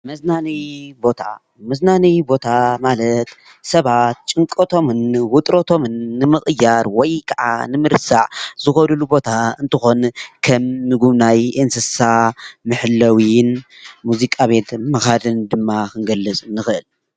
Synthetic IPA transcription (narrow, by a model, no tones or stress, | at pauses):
mɐznanibo̞t̪ʰa̰ | mɐznanibo̞t̪ʰamalɐt̪ | sɐβat̪̚t͡ʃʼɨŋkʼot̪ʰo̞mɨnwʊt̪ʼɾot̪ʰo̞mɨnːɨmɨχʼɨjːaɾwɔjkʰɐʕa̰nɨmɨɾsaʕzɨxolulubo̞t̪ʰaɨnt̪ʰɨxo̞nkʰɐmːɨɡuβnajʔɨnsɨsamɨħɨlːɐwin | muzikʼaβe̞t̪ʰmɐxad̪ɨnd̪ɨmːakɨŋɡɐlːɨt͡sʼɨnːɨxɨʔɨl